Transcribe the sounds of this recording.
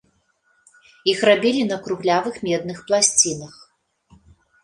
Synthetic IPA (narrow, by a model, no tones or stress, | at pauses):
ixrabʲilʲinɐkɾuɣlʲavɨxmʲɛd̪nɨxplˠasʲt͡sʲinɐx